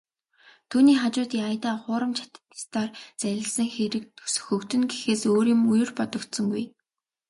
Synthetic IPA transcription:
t̪ʰuːniːχat͡ɕʊːt̪iːajt̪aːχʊːɾə̆mt͡ɕʰḁt̪ə̥̆t̪ɪ̥st̪aːrt͡sæɾʲɪ̆ɮsə̆ŋxeɾɘ̆k̚t̪ʰɵ̥sɵ̥̆xɵ̆kt̪ɵ̆nɡexeːsoːɾiːmujɵ̆rpɔt̪ɞ̆kt̪sɞ̆ŋɡuj

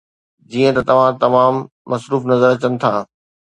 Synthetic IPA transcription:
d͡ʑiːə̃t̪ɐt̪ɐʋ̤ãt̪ɐmaːmː | ɐsɾuːfnɐzəɾɐt͡ɕənɪ̆t̪ʰaː

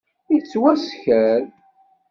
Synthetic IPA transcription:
it͡sːwæsçæɾ

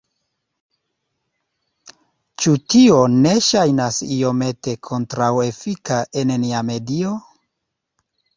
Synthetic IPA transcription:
t͡ʃutione̞ʃajnasio̞me̞te̞kʰo̞ntɾawefikaʔe̞nniame̞dio

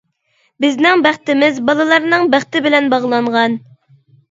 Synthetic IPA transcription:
bɪznɪŋbæχt̪ɪmɪzbɑlˠɨlˠɑɾnɨŋbæχt̪ɪbɪlɛnbɑʁlˠɑɴʁɑn

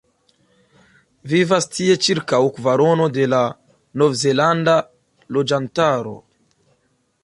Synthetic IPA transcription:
vivastʰie̞t͡ʃiɾkawkvaɾono̞de̞la | novzelanda | lod͡ʒantaɾo̰

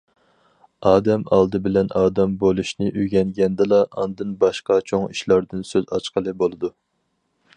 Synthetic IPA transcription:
ɑːd̪ɛmɑ̰lˠd̪ɨbɪlɛnɑːd̪ɛmbolˠuʃnɪʔyɡʲɛŋɡʲɛnd̪ɪlˠɑɑ̰nd̪ɨnbɑʃqɑt͡ʃʰoŋḭʃlˠɑɾd̪ɨnsøzɑt͡ʃqəlˠɨbolˠɨd̪u

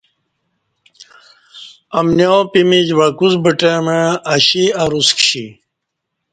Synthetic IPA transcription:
ɐmnjopimid͡ʑʋakuzbəʈemeɐɕiɐɾuskɕḭ

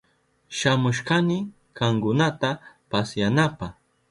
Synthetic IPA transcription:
ʃamʊʃkanɪ | kaŋkʊnat̪apasjanapa

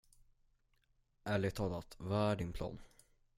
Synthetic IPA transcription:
ʔæɭɪt̪ʰɑːlat̪vɑæɖɪnpʰlɑ̰ːn

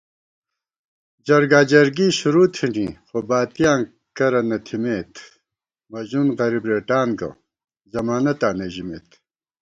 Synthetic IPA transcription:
d͡ʑɐɾɡaːd͡ʑɐɾɡiːɕuɾuːt̪ʰiɳiːxobaːt̪ijaː | kɐɾɐnɐt̪ʰimeːt̪ | mɐʑunʁɐɾibɾeːʈaːnɡɐ̰ | zɐmaːnɐt̪aːneʑimḛːt̪

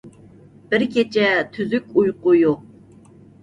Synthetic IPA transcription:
b̥ɪɾkʲʰet͡ʃʰɛt̪ʰyzykʲujqʊjoq̚

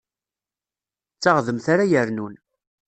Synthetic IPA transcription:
t͡sːaʁðəmθaɾajəɾnun

